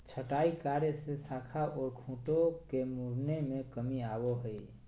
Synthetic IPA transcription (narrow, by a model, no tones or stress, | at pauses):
t͡ʃʰəʈaːikaːɾjesesaːkʰaʔɔːɾkʰũːʈokemuɾnemẽkəmiaːwoɦəi